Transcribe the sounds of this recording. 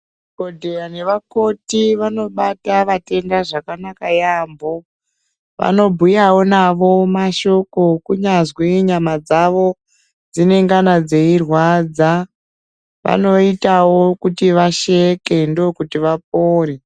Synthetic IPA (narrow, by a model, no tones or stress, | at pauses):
kodʱeane̞ʋako̞tiʋano̞ɓataʋate̞ndaʐakanakajambo | ʋa̰no̞bʱujawo̞naʋo̞maʃo̞ko̞kuɲazwiɲamad͡zaʋo̞ | d͡zine̞ŋɡanad͡ze̞irwad͡za | ʋa̰no̞itawokutiʋaʃeke̞ndookutiʋap̚oːɾe